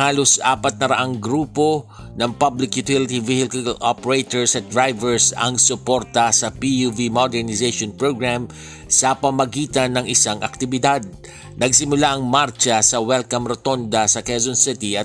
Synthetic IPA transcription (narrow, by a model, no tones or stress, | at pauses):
haːlosʔa̰ːpɐt̪̚nɐɾɐʔaŋɡɾuːpo̞ | nɐŋpablɪkjʊt̪ɪlɪt̪ivɪhɪkʊlʔopɛɹejt̪oɹsɐt̪̚d̪ɹajvɛɹsɐ̰ŋsʊpo̞ɾt̪ɐsɐpijuvimod̪ɛɹnɪzeʃonpɹoɡɹam | sɐpɐmɐɡiːt̪ɐnːɐŋɪsaŋʔɐ̰k̚t̪ɪbɪd̪ad̪̚ | nɐɡsɪmʊlaʔɐŋmaɾt͡ʃɐsɐwɛlkɐmɾot̪ond̪ɐsɐkɛzonsɪt̪iʔɐ